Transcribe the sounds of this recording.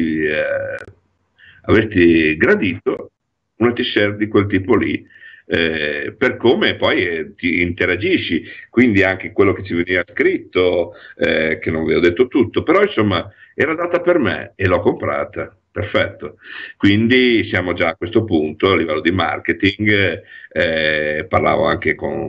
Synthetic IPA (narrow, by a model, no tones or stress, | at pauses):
i | avest̪iɡɾad̪iːt̪o | unat̪isɛrd̪ikwelt̪iːpolḭ | ɛperkoːmepɔjt̪iːnt̪eɾad͡ʒiʃːikwind̪iaŋkekwelːoket͡ʃːiveniːvaskɾit̪ːoɛk̟enːonvɛod̪et̪ːot̪ut̪ːopeɾɔinsomːa | ɛːɾad̪aːt̪apermḛelɔkːompɾa̰ːt̪a | perfɛt̪ːokwind̪isjaːmod͡ʒaːkwest̪opunt̪oalːivɛlːod̪ima̰rket̪iŋɡ | ɛparla̰ːvo̰a̰ŋkeko̰n